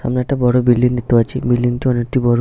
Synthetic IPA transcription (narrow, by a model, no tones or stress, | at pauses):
a̰mnaɛk̚ʈabɔɽobilːiŋd̪it̪eat͡ɕʰibilːiŋtiɔnek̚ʈibɔɽo